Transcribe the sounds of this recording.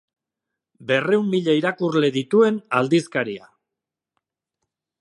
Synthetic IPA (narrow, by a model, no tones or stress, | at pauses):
be̞re̞umːiʎaiɾakurle̞ðit̪ue̞nald̪iskaɾia̰